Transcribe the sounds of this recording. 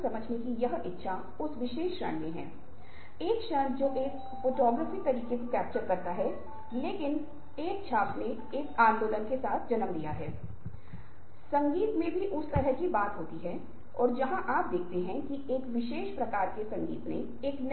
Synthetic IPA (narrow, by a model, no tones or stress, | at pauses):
sɐməd͡ʒʱnekijɐɦɪtːʃʰa | ʊsʋɪʃeːʃɾə̰ɳjeɦɛ̰̃ː | eːkʃə̃nd͡ʒoːʔeːk | foːʈɔːɡɾəːfit̪ɐɾiːkekokɛːp̚t͡ʃəɾkɐɾt̪aɦɛ | leːkɪn | eːk̚t͡ʃʰaːpne | eːkãːnd̪oːlənkesaːt̪ʰd͡ʒɐnəmd̪ijaɦɛː | sɐ̃ŋɡiːt̪mẽbʱiʔʊst̪ɐɾəɦkibaːt̪ɦoːt̪iɦɛː | ɔːɾd͡ʒɐɦãʔaːp̚d̪eːkʰt̪eɦɛ̃kieːkʋɪʃeːʃpɾɐkaːɾkesɐ̃ŋɡḭːt̪ne | eːkn